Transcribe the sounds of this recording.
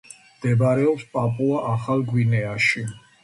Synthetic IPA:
md̪̥ɛbɾɛɔpspʼapʼuaʔaχalɡwinɛaʃi

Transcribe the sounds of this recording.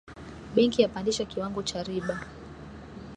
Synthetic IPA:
ɓɛŋkijapandiʃakiwaŋɡɔt͡ʃaɾiɓa

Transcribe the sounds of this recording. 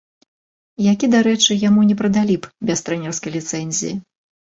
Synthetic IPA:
jakʲid̪aɾɛt͡ʂɨjamunʲɛpɾɐd̪alʲipbʲɛst̪ɾɛnʲɛrskɐjlʲit̪sɛnʲzʲḭji

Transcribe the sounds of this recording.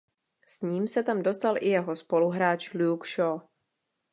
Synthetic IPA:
sɲiːmsɛt̪amdo̞st̪alʔɪjɛɦo̞spo̞luɦɾaːt͡ʃluːkʃo

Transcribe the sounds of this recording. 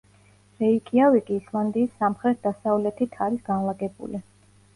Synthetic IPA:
ɾɛikʰʼiavikʼiːslˠand̪iːsːamχɾɛt̪̚ʰd̪asavlɛt̪ʰit̪ʰaɾisɡ̥anlˠaɡɛbṵli

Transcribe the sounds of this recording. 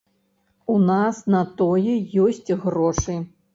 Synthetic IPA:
unasnɐt̪ɔjɛjɔsʲt͡sʲɣrɔʂɨ

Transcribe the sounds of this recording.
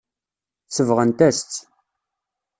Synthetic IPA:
səvʁənt̪æst͡s̪ː

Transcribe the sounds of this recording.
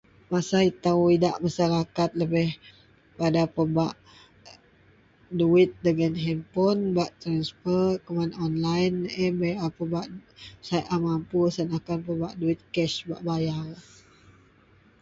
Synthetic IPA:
masait̪awidaʔmasaɾakat̪̚ləbɪh | padapəbaʔ | duɪt̪̚dəɡanɦɛmpɔnbaʔt̪ɾansfərkəmanɔnlajnɛbəapəbaʔsajt̪amampusanakanpəbaʔduɪt̪̚kɛʃba̰ʔbajar

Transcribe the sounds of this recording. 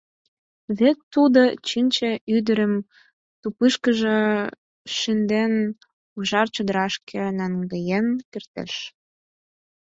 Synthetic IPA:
βek̚t̪ud̪ot͡ɕinʲt͡ɕĕyd̪ə̆ɾə̆m | t̪upɨʃkə̆ʒe | ʃind̪en | uʒɑrt͡ɕod̪əɾɑʃkʰĕnæŋɡəjenkert̪ḛʃ

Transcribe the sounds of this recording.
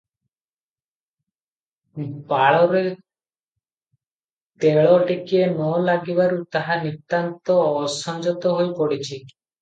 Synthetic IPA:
baɭɔɾe | t̪eɭɔɖikienɔlaɡibaɾut̪aɦanit̪ːant̪ɔsɔnd͡ʒɔt̪ɔɦojpɔɽit͡ʃʰi

